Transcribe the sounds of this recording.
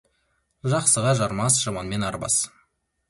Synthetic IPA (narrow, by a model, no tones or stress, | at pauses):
ʒɑqsəʁɑʒɑɾmɑsʒ̥ɑmɑnme̞nɑɾbɑ̰s